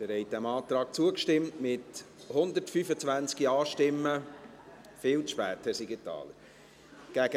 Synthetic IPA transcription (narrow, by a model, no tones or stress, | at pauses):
d̥əɾhɛjt̚d̥ɛmɑːt̪ɾɑːk̚t͡suəkʃtɪmtmɪthʊnd̪ətfyfət͡svænt͡skiɑːʃtɪmːə | fɪːlt͡sʃpɛːtəsiɡitɑ̰ːlə | ɡ̥æɡə